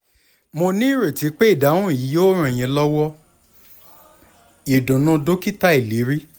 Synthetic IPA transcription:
mo˧nĩ˦˨ɾe˨ti˨˦k͡pe˦i˦˨da˨˦wũ˦i˨ji˨˦jo˦ɾ̃ũ˧˨j̃ɛ̃˧lɔ˦wɔ˦ | i˨dũ˨nɔ̃˧do˦ki˦ta˦i˦˨li˨˦ɾi˦

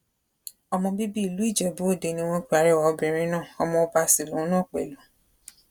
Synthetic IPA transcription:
ɔ˧mɔ̃˧bi˦bi˦i˨lu˨˦i˦˨d͡ʒɛ˨bu˨˦o˦˨de˨˧nĩ˧w̃ɔ̃˧k͡pi˨˦a˨ɾɛ˦˨wa˨˧bĩ˨ɾ̃ĩ˦nãː˦˨ɔ˧mɔ̃˧o˧ba˧si˨lõ˨˦nã˦˨k͡pɛ̰˨lu˨˦

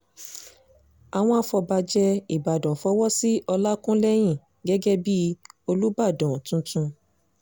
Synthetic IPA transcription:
a˨w̃ɔ̃˧a˧fɔ˧ba˧d͡ʒɛ˧i˨ba˨dɔ̃˨fɔ˨˦wɔ˦si˦ɔ˧la˦kũ˦lɛ˦j̃ĩ˦˨ | ɡɛ˦ɡɛ˦bi˦o˧lu˦ba˦˨dɔ̃˨tũ˦tũ˧

